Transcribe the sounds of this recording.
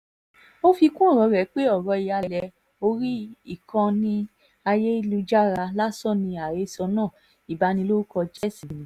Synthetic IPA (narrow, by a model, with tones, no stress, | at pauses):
o˦fi˧kũ˦ɔ˦˨ɾɔ˨˧˦ɾɛ˨˦k͡pe˦ɔ˦˨ɾɔ˧i˨ja˧˨lɛ˧ | o˧ɾi˦i˦˨kã˧nĩ˦ | a˧je˦i˧lu˧d͡ʒa˦ɾa˧la˦sɔ˦˨nĩ˧a˨ɾe˨˦sɔ˧nãː˦˨ | i˨ba˨˧˦nĩ˧lo˦u˦kɔ˧d͡ʒɛ˦˨sĩ˨nĩ˨˦